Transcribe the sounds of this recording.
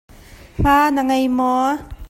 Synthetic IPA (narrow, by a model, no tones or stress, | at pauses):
m̥aːnaŋɐjmɔ